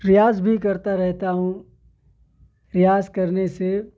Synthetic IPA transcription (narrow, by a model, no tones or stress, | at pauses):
ɾɪjaːzbʱikɐɾt̪aɾɛɦt̪aɦũ | ɾɪjaːzkɐɾnese